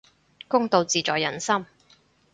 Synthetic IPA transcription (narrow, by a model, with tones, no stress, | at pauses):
kʊ˥ŋt̪o˨˧wt͡siː˨t͡ʃɔː˨jːɐ˨˩nsɐ˥m